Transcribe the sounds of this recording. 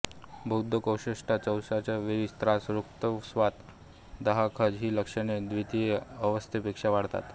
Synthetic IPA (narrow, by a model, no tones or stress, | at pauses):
bʱəwd̪ʱːəkəwɕiʂʈat͡səwsat͡ɕaʋiɾist̪ɾasɾukt̪əsʋat̪ | d̪əɦakʰəd͡ʑɦiːləkʂəned̪ʋit̪ijeəʋəst̪ʰepekʂaʋaɽt̪a̰t̪